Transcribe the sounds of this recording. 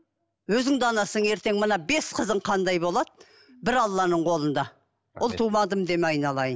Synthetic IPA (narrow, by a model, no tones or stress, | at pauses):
wɵzɪŋd̪ɑnɑsəɴe̞ɾt̪e̞ŋmənɑbe̞sqʰəzəɴqʰɑnd̪ɑjbo̞lˠɑd̪̚ | bɪɾɑlˠːɑnəɴqʰo̞lˠənd̪ɑ | wolˠt̪ʰumɑd̪əmd̪emɑjnɑlˠɑjən